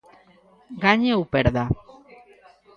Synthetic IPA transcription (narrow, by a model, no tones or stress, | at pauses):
ɡaɲewpeɾða